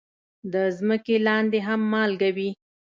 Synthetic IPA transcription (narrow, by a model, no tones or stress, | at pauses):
d̪əzməkelɑnd̪eɦamːɑlɡawi